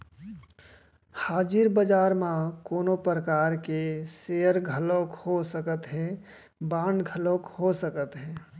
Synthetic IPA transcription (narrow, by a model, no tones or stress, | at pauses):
haːd͡ʒɪɾbəd͡ʒaːɾmãkoːnopɾəkaːɾkeseəɾɡʱəlokhosəkət̪ɦɛ̃ | baːɳɡʱəlokhosəkət̪ɦɛ̃ː